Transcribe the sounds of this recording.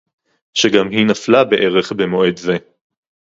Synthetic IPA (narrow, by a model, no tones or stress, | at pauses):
ʃeɡamɦinaflabe̞ʔeʁe̞χbemo̞e̞dze